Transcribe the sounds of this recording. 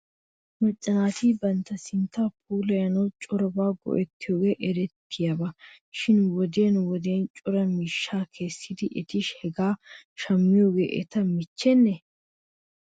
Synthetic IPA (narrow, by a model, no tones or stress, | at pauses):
mɐt͡ʃʼːɐnaːt̪iːbɐnt̪ːɐsɪnt̪ːaːp̚ʰuːlɐjɐnɐwt͡ʃʼɔɾɔbaːɡɔ̰ʔɛt̪ːɪjoːɡe̞ːʔɛɾɛt̪ːɪjabɐ | ʃɪnwɔd̪eːnwɔd̪eːnt͡ʃʼɔɾɐmiʃːaːkʰe̞ːsːid̪ɪʔɛt̪ɪʃhɛɡaːʃɐmːɪjoːɡḛːʔɛ̰t̪ɐmɪt͡ʃːɛnːɛ